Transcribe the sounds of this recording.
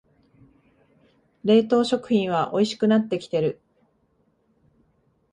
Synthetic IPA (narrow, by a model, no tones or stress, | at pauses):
ɾe̞ːt̪o̞ːɕo̞kɯ̟̥çĩɰ̃βaʔo̞iɕi̥kɯ̟nat̪ːe̞kʲi̥t̪e̞ɾɯ̟